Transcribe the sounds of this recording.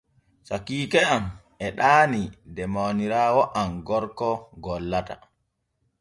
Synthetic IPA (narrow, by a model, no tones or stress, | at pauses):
sakiːkɛam | ɛɗaːnidɛmawniɾawɔʔamɡɔɾkɔɡɔlːata̰